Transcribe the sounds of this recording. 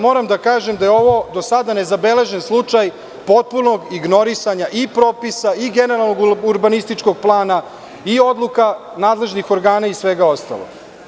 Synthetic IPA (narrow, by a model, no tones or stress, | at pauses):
mo̞ːɾamd̪akaːʒemd̪ajeo̞ʋo̞d̪osad̪ane̞zabe̞le̞ʒenslˠut͡ʂaj | po̞t̪̚puno̞ɡiɡno̞ɾisaɲaʔipɾoːpisaiɡeneɾalˠno̞ɡuɾbanist̪it͡ʂko̞ɡ̚plˠaːna | io̞d̪lˠuka | naːd̪le̞ʒnixo̞ɾɡaːnaisʋeɡao̞st̪a̰lo̰̥